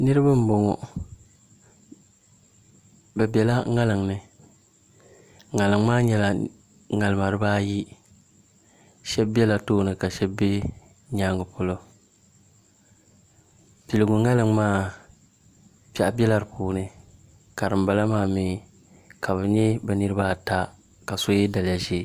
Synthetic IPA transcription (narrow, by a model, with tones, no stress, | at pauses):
nɨ˦ɾɨ˦ba˦m̩˦bo˨ŋɔ̰˨ | bɛ˨bɛ˨la˦ŋa˦lɨ˨ŋnɨ˨ | ŋa˨lɨ˨ŋ˦maː˦ɲɛ˦la˨ | ŋa˨lɨ˨ma˨ɾɨ˨˦baː˦ji˦ | ʃɛ˦bbɛ˦la˨toː˦nɨ˨ka˨ʃɛ˦bbe˦ | ɲaː˦ŋʊ˨pʊ˦lo˦ | pi˨lɨ˨ɡʊ˨ŋa˦lɨ˨ŋmaː˦ | pa˦˨ʔa˨bɛ˦la˦ɾɨ˨puː˨nɨ˦ | ka˨ɾɨ˨mba˨la˦maː˦˨mi˨˦˨ | ka˨βɛ˨ɲɛ˦bɛ˨nɨ˦ɾɨ˦ba˦˨ta˦ | ka˨so˦jɛ˦da˨lɪ˨ja˨ʒe˦˨